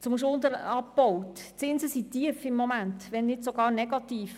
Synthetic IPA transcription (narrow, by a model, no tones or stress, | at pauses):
t͡sʊmʃ̬ʊnd̪əɾɑpbɔwtt͡sɪnzəsit̪iəfɪmːomæntʋɛnːɪtsoɡ̥ɑːrnɛɡ̥ɑtiːf